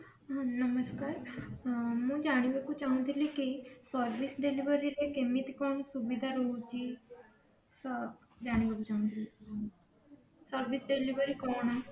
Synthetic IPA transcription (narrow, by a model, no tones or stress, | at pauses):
ɦãnəməskaːɾ | mũd͡ʒaːɽ̃iʋəkut͡ʃaːũnd̪ilikisəɾʋisɖeliʋəɾiɾekemit̪kɔːnsubid̪ʱaɾoːd͡ʒi | sɐb | d͡ʒaːɽ̃iʋəkut͡ʃaːũnd̪ili | səɾʋisɖeliʋəɾikɔːna